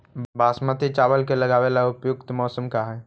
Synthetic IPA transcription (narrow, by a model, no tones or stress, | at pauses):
baːsmət̪it͡ʃaːʋəlkelɐɡaːʋelaʊpjʊkt̪mɔːsəmkaɦɛː